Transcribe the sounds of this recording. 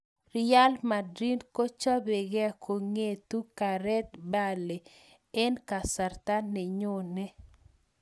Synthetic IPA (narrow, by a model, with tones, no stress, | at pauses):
ra˦lma˨dɾi˦nko˦t͡ʃa˦be˨ɡɛ˦kʰo˨ŋe˨t̪u˦ka˨ɾɛ˦t̪̚ba˦le˨ | ɛ˦nka˨sa˨rt̪a˦nːe˨ɲo˦˨nɛ˦